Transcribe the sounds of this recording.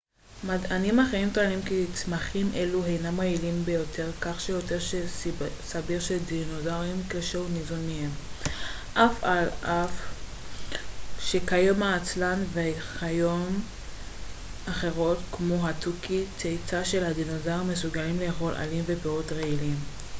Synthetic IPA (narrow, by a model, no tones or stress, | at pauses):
madanimaχeʁimtoalimkit͡smaχimʔe̞luɦejnamʁeilimbe̞jo̞tʰe̞ʁkaχʃejo̞te̞ʁʃesabiʁʃedinozaʁimkeʃeunizonmihem | ʔafalʔaf | ʃekajomaːt͡slanveχajom | aχe̞ʁo̞tkmoɦatukit͡sejt͡saʃelhadinozaʁmesuɡalimleːχo̞lʔa̰limvepeotʁeilim